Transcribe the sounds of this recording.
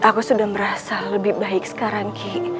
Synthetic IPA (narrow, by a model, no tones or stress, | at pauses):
ʔakusudahməɾasaləbɪhbaɪk̚sə̥kaɾaŋkʰɪ